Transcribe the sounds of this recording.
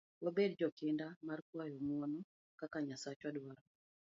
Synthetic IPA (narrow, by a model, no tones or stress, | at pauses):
wobed̚d͡ʒɔkendamarkwajɔmwɔnɔ | kakaɲasat͡ʃwadwaɾɔ